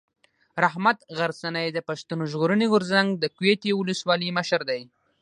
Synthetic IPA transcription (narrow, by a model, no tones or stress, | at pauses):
ɾaɦmat̪ɣaɾsanajd̪əpaʃt̪unoʒɣoɾəniɣʊɾzaŋɡd̪əkwet̪iwʊləswɑliməʃaɾd̪aj